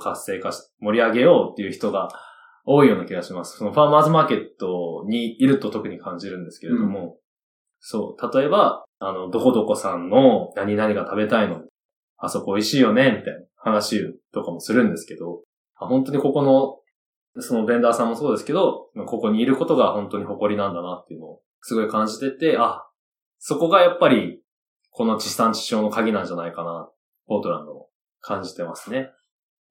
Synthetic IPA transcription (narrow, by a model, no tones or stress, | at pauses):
kʰasːe̞ːkaɕi̥ | mo̞ɾʲiaɡe̞jo̞ːt̪ːe̞iɯ̟çi̥t̪o̞ɡa | o̞ːijo̞ːnakʲiɡaɕimasɨ̥so̞no̞ɸamaːzɨmaːke̞t̪ːo̞ɲ̟iːɾɯ̟t̪o̞t̪o̞kɯ̟ɲ̟ikãɲ̟d͡ʑiɾɯ̟̃nd̪e̞sɨ̥ke̞ɾed̪o̞mo̞ | so̞̰ːt̪at̪o̞e̞baano̞d̪o̞ko̞d̪o̞ko̞sãnːo̞naɲ̟inaɲ̟ikat̪abe̞t̪aino̞ | asoko̞ːiɕiːjo̞ne̞mʲit̪ainaahanaɕit̪o̞kamo̞sɨɾɯ̟̃nd̪e̞sɨ̥ke̞d̪o̞ | aɦõ̞nt̪o̞ɲ̟iko̞ko̞no̞ | so̞no̞be̞nd̪aːsãmːo̞so̞ːd̪e̞sɨ̥ke̞d̪o̞mako̞ko̞ɲ̟iːɾɯ̟ko̞t̪o̞ɡahõ̞nt̪o̞ɲ̟iho̞ko̞ɾʲinãnd̪anat̪ːe̞iɯ̟no̞ː | sɨɡo̞ikãɲ̟d͡ʑit̪e̞t̪e̞a | so̞ko̞ɡajapːaɾʲi | kʰo̞no̞t͡ɕi̥sãɲt͡ɕi̥ɕo̞ːno̞kaɡʲinãɲ̟d͡ʑanaikana | o̞ːt̪o̞ɾã̰nd̪omo̰ | kʰãɲ̟d͡ʑi̥t̪e̞masɨne̞